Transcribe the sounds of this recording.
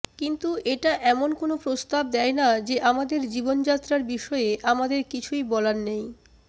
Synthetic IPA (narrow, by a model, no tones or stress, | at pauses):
kint̪uʔeʈaʔɛmonkonopɾost̪ab̚d̪ɛenad͡ʑeʔamad̪eɾd͡ʑibond͡ʑat̪ːɾaɾbiʃɔeeʔamad̪eɾkit͡ɕʰujbɔlannej